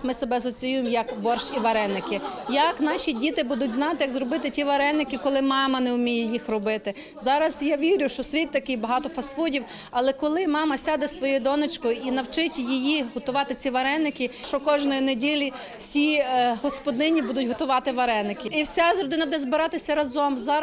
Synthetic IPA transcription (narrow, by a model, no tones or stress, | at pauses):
mɪsebɛɐsɔt͡sʲijujɪmjɐkbɔrʃiʋɐɾɛnːɪkɪjɐknɑʃʲidʲit̪ɪbud̪ʊtʲznɑt̪ɪjɐɡzrɔbɪt̪ɪtʲiʋɐɾɛnːɪkɪkɔlˠɪmɑmɐnɛʊmʲijɛjixrɔbɪt̪ɪ | zɑɾɐsjaʋʲiɾʲʊʃt͡ʃɔsʲʋʲit̪̚ʲt̪ɐkɪjbɐɦɑt̪ɔfɐsfudʲiw | ɐlˠɛkɔlˠɪmɑmɐsʲad̪ɛsʋɔjujd̪ɔnɔt͡ʃkʊjinɐwt͡ʃɪtʲjijiɦɔt̪ʊʋɑt̪ɪt͡sʲiʋɐɾɛnːɪkɪʃt͡ʃɔkɔʒnɔjinedʲilʲi | wsʲiɦɔspɔd̪ɪnʲibud̪ʊtʲɦɔt̪ʊʋɑt̪ɪʋɐɾɛnːɪkɪiwsʲazɾɔd̪ɪnɐbud̪ɛzbɪɾɑt̪ɪsʲɐɾɐzɔmzɑ